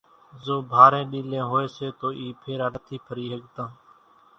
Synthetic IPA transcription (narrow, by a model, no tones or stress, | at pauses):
zoːbʱaːɾẽːɗiːlẽːɦoːeːseːt̪oːʔiːpʰeːɾəɳət̪ʰiːpʰəɾiːɦəɠt̪ãː